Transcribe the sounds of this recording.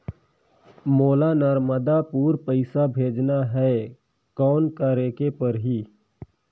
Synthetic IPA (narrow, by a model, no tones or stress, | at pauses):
moːlanəɾməd̪apuːɾpəɪsabʱeːd͡ʒnaɦɛ | kɔːnkaɾeːkepɐɾɦiː